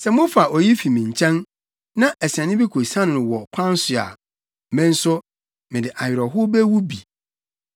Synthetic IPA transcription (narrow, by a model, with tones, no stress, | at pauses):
sɛ˨mʊ̃˦fa˨ʔɔ˨ji˦fi˨mĩ˨ɲ˨t͡ɕʰɛ̃˦n | nã˦ʔɛ˨sɛ̃˨nɪ̃˦bi˦kʰo˨sã˦ñ˨nʊ̃˨wɔ˨kʷʰã˦n˦sʊ˨a̰˨ | mɛ̃˦n̩˦sʊ˦ | mɪ̃˨dɪ˨ʔa˨jᶣɪ˨ɾɔ˨ɦʊ˦bɛ˦wu˦bi˨